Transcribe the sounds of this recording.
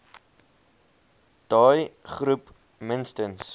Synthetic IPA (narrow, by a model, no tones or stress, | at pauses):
d̥ɑːjχɾup | mənstəns